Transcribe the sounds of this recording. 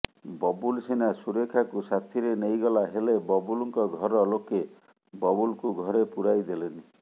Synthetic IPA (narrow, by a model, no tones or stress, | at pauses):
bɔbulsenasuɾekʰakusat̪ʰiɾenejɡɔlaɦelebɔbulɔŋkɔɡʱɔɾɔloke | bɔbulkuɡʱɔɾepuɾajd̪eleni